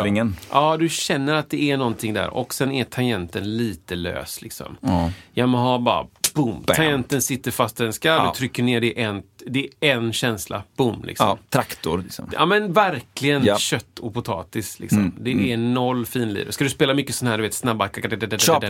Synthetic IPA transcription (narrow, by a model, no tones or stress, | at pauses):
ɪŋənʔɑːd̪ɵɕɛnːəɾat̪̚d̪ɛɛnɔnt̪ʰɪŋd̪æ̰ːɾɔ̰ksɛnæt̪ʰajɛnt̪ənliːt̪əlø̰ːslɪksɔ̰mjɑmoɦɑːbɑ̰ːɾa̰b̥ʊmt̪ʰajɛnt̪ənsɪt̪ːəɾfast̪ɪɛnskaɵt̪ʰɾʏkːəɳeːɖɛʔɛnd̪ɛɛɛnɕɛnsla̰b̥ʊmlɪ̰ksɔ̰mt̪ʰɾakt̪ʊɾɪsɔ̰mɑ̰ːmɛnvæɾklɪɡənɕœt̪ːɔpʊt̪ʰɑ̰ːt̪ɪslɪ̰ksɔmd̪ɛɛnɔlːfiːnlḭːɾə̰skad̪ɵspeːlamʏkːəsɔnahæːɖɵveːt̪snabːakakad̪ɛdɛɛdɛ